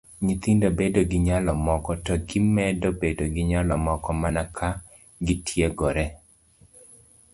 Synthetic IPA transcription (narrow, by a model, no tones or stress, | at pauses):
ɲit̪indobedoɡɪɲalɔmɔkɔtɔɡɪmɛdobedoɡɪɲalɔmɔkɔmanakʰa | ɡɪtʰjeɡɔɾɛ